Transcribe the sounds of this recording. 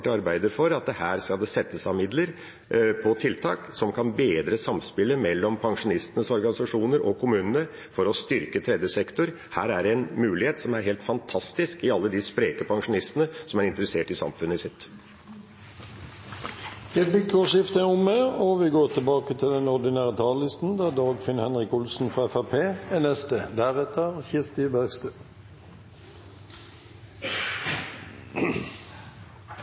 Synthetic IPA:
ʈəɑɾbæɪd̪əɾfɔɾɑt̪̚d̪ɛhæːɾskɑld̪ɛsɛt̪ːəsɑmɪd̪ləɾ | pʰɔt̪ʰɪlt̪ʰɑ̰ːksɔmkʰɑnbeːd̪ɾəsɑmspɪlːəmɛlːɔmpʰɑŋʂʊnɪst̪ənəsɔɾɡɑnɪsɑʂuːnəɾʔɔkʰʊmʉːnənə | fɔɾɔst̪ʏɾkət̪ʰɾɛd̪jəsɛkt̪ʊɾ | hæ̰ːɾæɖɛɛnmʉːlɪheːt̪sɔmæɾɦeːlt̪fɑnt̪ʰɑst̪ɪskɪɑlːəd̪ɪspɾeːkəpʰɑŋʂʊnɪst̪ənəsɔmæɾɪnt̪əɾəseːʈɪsɑ̰mfʉnːəɪsɪt̪ː | jɛbɪkoːʃɪft̪əʊmːeɔʋiːɡoːʁt̪ʰɪlbɑːkət̪ʰɪld̪ɛnɔʁd̪ɪnæːʁət̪ʰɑːllɪst̪n̩d̪æd̪ɑːɡfɪnhɛnʁɪkʊlsn̩fʁɑɛfæpʰeːɛnɛst̪əd̪æʁɛt̪əçɪst̪ɪbæɡst̪øː

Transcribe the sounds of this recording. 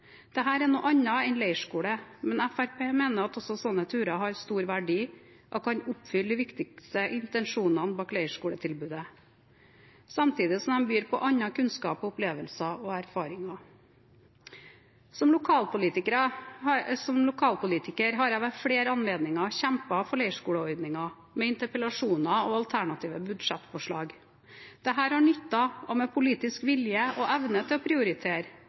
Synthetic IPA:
d̪̥ɛɦæːɾɛnuːʔɑɲːɑɛnlæɪʂkuːɽəmɛnæfæɾpʰeːmeːnəɾɑt̪ɔsɔsɔnːət̪ʰʉːɾɑɦɑɾst̪uːɾʋæɖiː | ʔɔkʰɑɲʊpfʏld̪ɪʋɪkt̪ɪkst̪əʔɪnt̪ɛnʂuːnɑnbɑːklæɪʂkuːɽət̪ʰɪlbʉːd̪ə | sɑmt̪ʰiːd̪ɪsɔmd̪ɛnbyːɾpʰɔʔɑɲːɑkʰʉnskɑ̰ːpɔʊpleːʋəlsɑɔæɾfɑːɾɪŋɑ | sɔmlʊkʰɑːlpʊliːt̪ɪkəɾɑ | sɔmlʊkʰɑːlpʊliːt̪ɪkəɾɦɑɾæɪʋæʈfɽeːɾɑnleːd̪nɪŋɑçɛmpɑfɔɭɛɪʂkuːləɔɾd̪nɪŋɑ | mɛɪnt̪əɾpəlɑʂuːnɑɔɑlt̪ʰæɳɑt̪ʰiːʋəbʉd̪ʂɛt̪ːfɔʂɭɑːɡ | d̪̥ɛɦæːɾhɑɳʏt̪ːɑɔmɛpʰʊliːt̪ɪskʋɪljəɔʔæʋnət̪ʰɪlɔpʰɾɪʊɾɪt̪ʰeːɾ

